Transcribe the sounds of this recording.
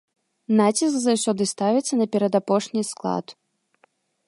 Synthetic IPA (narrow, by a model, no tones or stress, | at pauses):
nat͡sʲiskzɐwsʲɔd̪ɨst̪avʲɛt̪sːɐnɐpʲɛɾɐd̪apɔʂnʲisklˠa̰t̪